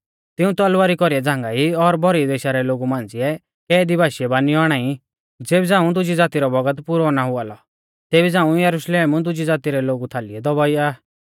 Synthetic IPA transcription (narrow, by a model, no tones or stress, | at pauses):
t̪ɪũt̪ɔlʋaːɾikɔɾiɛd͡zãːŋɡaːiɔɾbʱɔɾid̪eːʃaɾɛloːɡumãːnd͡zɪɛ | kɛːd̪ibʱaːʃiɛbaːniɔːɽ̃aːĩ | d͡zeːbid͡zãːũd̪ʊd͡ʒid͡zaːt̪iɾɔbɔɡət̪pʊɾɔnaɦʊaːlɔ | t̪eːbid͡zãːũjɐɾʊʃleːmũd̪ʊd͡ʒid͡zaːt̪iɾɛloːɡut̪ʰaːliɛd̪ɔbaːiaː